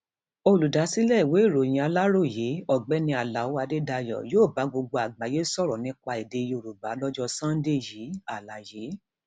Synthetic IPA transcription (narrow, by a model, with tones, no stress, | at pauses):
o˧lu˨da˨˦si˦lɛ˦˨we˨˦˨ɾo˨j̃ã˧˨a˧la˦ɾo˦˨je˨˦ɔ˦˨ɡ͡bɛ˨˦nĩ˧a˨la˨wo˦a˧de˦da˧jɔ̰˨joː˦˨ba˨˦ɡ͡bo˧ɡ͡bo˧a˨ɡ͡ba˨je˨˦sɔ˦˨ɾɔ˨nĩ˦k͡pa˧i˨de˧jo˧˨ɾu˨ba˨˦lɔ˦d͡ʒɔ˧sã˦n̩˦de˦˨ji˨˦a˦˨la˨je˨˦